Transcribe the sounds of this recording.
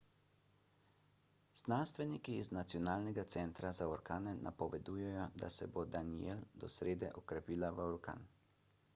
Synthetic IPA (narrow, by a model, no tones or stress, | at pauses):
znanst̪ʋɛnikiːznat̪sijɔnaːlnɛɡat̪sɛnt̪ɾazaɔɾkaːnɛnʔa̰pɔʋɛd̪ujɛjɔd̪a̰sɛbod̪anield̪ɔsɾeːd̪ɛʔɔkɾɛpiːlaʋəɔɾka̰n